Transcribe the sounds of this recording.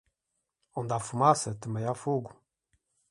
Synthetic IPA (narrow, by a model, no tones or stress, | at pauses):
ɔnd̪afumasət̪əmɛjafuɡu